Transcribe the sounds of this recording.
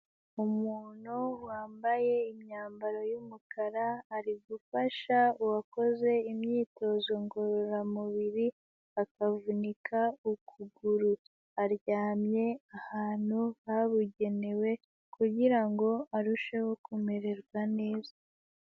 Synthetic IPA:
umuːn̥huwaːmbaje̞imɲaːmbaɾo̞jumukʰaɾaːɾiɡufaʃauwako̞ze̞imɲiːto̞zo̞ŋɡoɾoɾamuβiɾi | akavunikʰaukʰuɡuɾu | aɾɟaːmɲe̞ahaːn̥huaβuɟe̞ne̞we̞ | kuɟiɾaŋɡo̞aɾuʃe̞wokumeɾe̞ɾɡwane̞ːza

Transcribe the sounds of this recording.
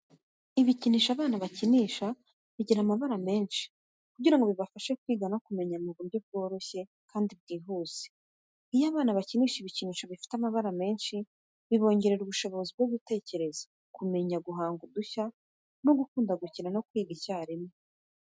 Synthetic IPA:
iβiciniːʃaβaːnaβaciniːʃa | βiɟiɾamaβaɾame̞ːnʃi̥ | kuɟiɾaŋɡoβiβafaʃe̞kwiːɡanakume̞ɲamuɡumɟob̚ɡo̞ːɾo̞çe̞ | kʰaːndib̚ɡiːɦuːz̥e̥ | ijaːβaːnaβaciniːʃiβiciniːʃaβifi̥tamaβaɾame̞ːnʃi | βiβo̞ːɲɟe̞ɾe̞ɾuβuʃo̞βo̞zib̚ɡoβite̞ːce̞ɾe̞zḁ | kume̞ɲaɡuɦaːŋɡuduça | no̞ɡukuːndaɡuciɾano̞kwiːɡicaːɾime

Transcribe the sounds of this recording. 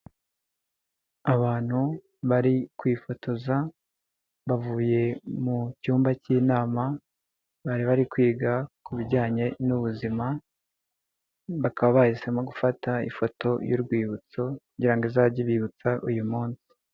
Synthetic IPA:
aβaːn̥hu | βaɾikwiːfo̞tʰo̞za | βavuːje̞mucuːmbaciːnaːma | βaɾiβaɾikwiːɡakuβiɾɟaːɲe̞nuβuzima | βakaβaβahisemaɡufataḭfo̞to̞juɾɡwiːβut͡so̞kuɲɟiɾaŋɡezaɟiβiːβut͡saʔujumuːnsi̥

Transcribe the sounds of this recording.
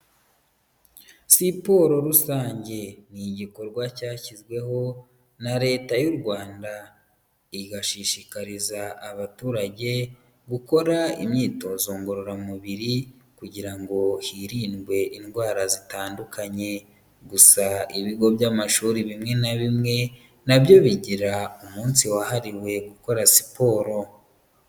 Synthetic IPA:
sipo̞ɾo̞ɾusaːɲɟe̞niɟiko̞ɾɡwacaːcizɡwe̞ɦo̞ | naɾe̞ːtajuɾɡwaːnda | iɡaʃiʃikaɾizaːβatuːɾaɟe̞ | ɡuko̞ɾaḭmɲiːto̞zoːŋɡoɾoɾamuβiɾi | kuɟiɾaŋɡo̞hiːɾiːnɡwe̞ʔinɡwaːɾazitaːndukʰaɲe̞ | ɡusaiβiɡo̞βjamaʃuːɾiβimŋe̞naβimŋe̞ | naβjo̞βiɟiɾaumuːnsiwahaɾiwe̞ɡuko̞ɾasi̥po̞ːɾo̞

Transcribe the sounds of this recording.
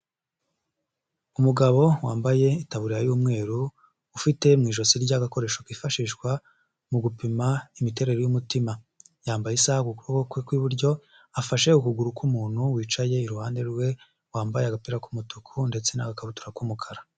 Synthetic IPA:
umuɡaβo̞waːmbaje̞itaβuɾijajuːmŋe̞ːɾuː | fite̞mŋiːʒo̞siɾɟaɡako̞ɾe̞ːʃokifaʃiːʃɡwa | muɡupimaimite̞ɾe̞ɾojumutima | jaːmbajesahakukuβokokwekwiβuɾɟo̞ | afaʃe̞ukuɡuɾukumuːn̥huwiːt͡ʃaje̞iɾuhaːnde̞ɾɡwe̞ | waːmbajaɡapiɾakumutukʰunde̞t͡se̞naɡakaβutu̥ɾakumukʰaɾa

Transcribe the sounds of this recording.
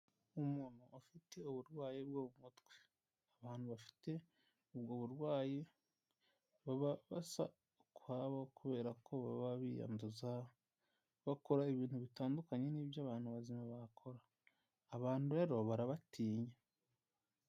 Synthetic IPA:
umunuʔafite̞uβuɾɡwaːjebɡoβumutɡwe | aβaːn̥huβafi̥te̞ | ubɡoːβuɾɡwaːje | βaβaβasa̰ | kuhaβakuβe̞ːɾakʰo̞βa̰βaβḭja̰mduza | βako̞ɾaiβiːntuβitaːndukaɲe̞niːβjaːβaːn̥huβazimaβakʰo̞ɾaː | βaːnhuɾeɾo̞βaɾaβatʰiːɲe

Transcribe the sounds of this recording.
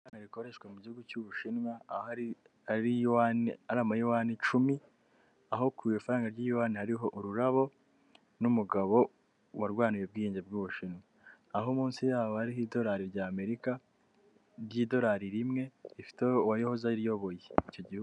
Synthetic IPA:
aɾaŋɡaɾikoɾe̞ʃkwemuɟihuɡucuβuʃinwaaɾi | aɾiwanaɾaːmajiwaːnit͡ʃumi | aɦo̞kʰujofaɾaːŋɡaɾɟiwaːnihaɾiɦo̞ʔuɾuɾaβo̞ | numuɡaβo̞ | waɾɡwaːnije̞b̚ɡiːiːɲɟeb̚ɡuβuʃinwaː | ɦomuːnsijaːβohaɾihido̞ɾaːɾiɾɟaːme̞ɾika | ɾɟiːdo̞ɾaɾiɾimŋe̞ifi̥tewajohozaɾijo̞βo̞jeico̞ɟihu

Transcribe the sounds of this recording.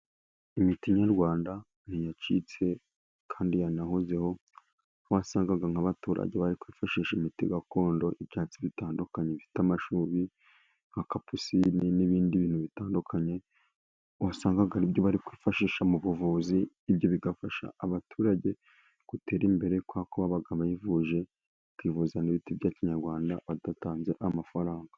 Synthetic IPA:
imitiɲaɾɡwaːnda | n̥ijat͡ʃḭt͡se̞ | kʰaːndijanahuze̞ho̞ | wasaːŋɡaɡaŋaβatuɾa̰ɟe̞βaɾikwiːfaʃiːʃimitiɡako̞ːndo̞ʔibɟaːt͡siβitaːndukaɲevitamaʃuːβi | ŋ̥hakapusininiβiːndiβiːn̥huβitaːndukʰaɲe̞ | wasaːŋɡaɡaɾibɟo̞βaɾikwiːfaʃiːʃamuβuvuziː | bjoβiɡafaʃa̰ːβatʰuːɾaɟe̞ | ɡ̥ute̞ːɾimbe̞ɾe̞kwakoβaβaɡaβajivuʒe̞ | kwiːvuzaniβitibɟaːciɲaɾɡwaːndaβatataːnze̞ʔamafaɾaːŋɡa

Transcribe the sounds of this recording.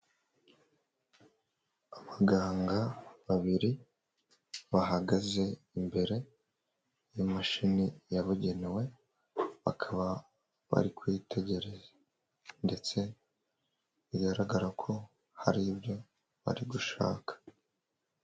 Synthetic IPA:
aβaɡaːŋɡaβaβiɾi | βaɦaɡaze̞ | imbe̞ɾe̞ | jumaʃinijaβuɟe̞newe̞ | βa̰kʰaβa | βa̰ɾikwiːte̞ɟe̞ɾe̞zḁ | nde̞t͡se̞ | βiɡaɾaɡaɾakʰo̞ | haɾibjo̞ | βa̰ɾiɡuʃa̰ːkʰḁ

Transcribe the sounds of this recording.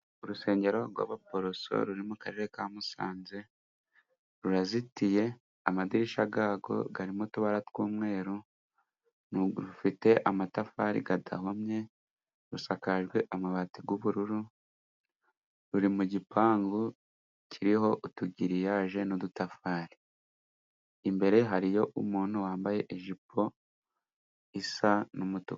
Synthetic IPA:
uɾuse̞ːɲɟe̞ɾo̞ɾɡwa̰βapo̞ɾoso̞̰ɾuɾimukaɾe̞ɾekaːmusa̰ːnze̞ | ɾuɾazitije̞ | amadiɾiʃaɡaːɡo̞̰ɡaɾimotuβaɾatwuːmŋe̞ːɾo | nɾufite̞ʔamatafaːɾḭɡada̰homɲe̞ | ɾusakaʒɡwe̞ʔamaβatiɡuβuɾuɾu | ɾuɾimuɟipaːŋɡu | cʰiɾiho̞ʔutuɟiɾijaʒe̞nodutafaːɾi̥ | imbe̞ɾe̞ɦaɾijo̞ʔumuːn̥huwaːmbaje̞ʔiʒipʰo̞ | isanumutuk

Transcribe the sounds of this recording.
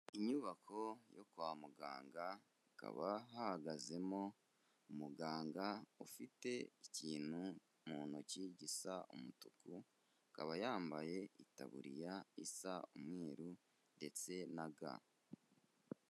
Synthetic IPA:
iɲuβakʰo̞jokwaːmuɡa̰ːŋɡa | ka̰βaɦahaɡaze̞mo̞ | umuɡaːŋɡaufite̞iciːn̥hu | muːnociɟisaumutuku | kaβajaːmbaje̞ita̰βṵɾijaisaumŋe̞ːɾu | nde̞t͡se̞naɡa̰

